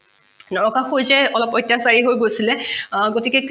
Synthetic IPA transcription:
nɔɹɔkaxojzɛɔlɔpɔjtːjasaɹiɦojɡojsilɛɡotikɛk

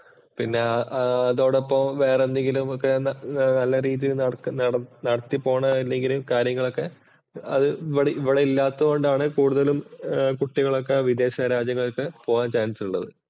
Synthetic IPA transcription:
pinːe̞ɐɐɐðo̞ːɽopːɐmʋe̞ːrenːeŋɡilumokːe̞nnɐlːɐɾiːðijilnɐɽɐnɐɐnɐɽɐt̪ːipo̞ːɳɐilːe̞ŋɡilumkaːɾjɐŋːɐɭo̞kːe̞ | ɐðɨiʋɐɽeiʋːiɽeilːaːt̪ːɐoɳɖaːɳɨkuːɽuðɐlumkuʈːiɣɐɭo̞kːe̞ʋid̪e̞ːɕɐɾaːd͡ʑɐŋːɐɭokːepo̞ːɣaːnt͡ɕaːnisiuɭːɐðɨ

